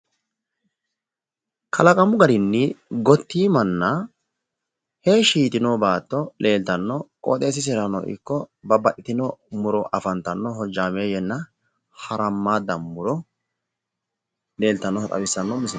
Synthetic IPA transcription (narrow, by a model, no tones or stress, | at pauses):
kʰɐlɐkʼɐmʊɡɐɾɪnːɪɡɔt̪ːiːmɐnːɐ | heːʃiːt̪ɪnoːbaːt̪ːɔlʔe̞ːlt̪ɐnːɔkʼo̰ːt̪ʼeːs̬ɪsɛɾɐnɔ̰ʔɪ̰kːɔbɐbɐʔɪt̪ɪnɔmʊɾɔʔɐfɐnt̪ɐnːɔɦɔd͡ʒːaːmeːjɛnːɐ | hɐɾɐmːaːd̪ɐmːʊɾɔ | le̞ːlt̪ɐnːɔhɐt̪ʼɐ̰wɪsːɐnːɔmɪs